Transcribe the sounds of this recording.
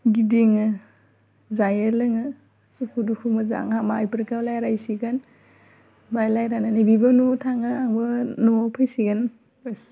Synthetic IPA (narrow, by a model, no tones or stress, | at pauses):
ɡidiŋɯ | zajɐɾlɯŋɯ | sukʰudukʰumɯza̰ŋhamaajpɯɾkawlajɾajsiɡan | bajlajɾananibibɐnutʰaŋɯaŋbɐnupʰɯjsiɡan | bas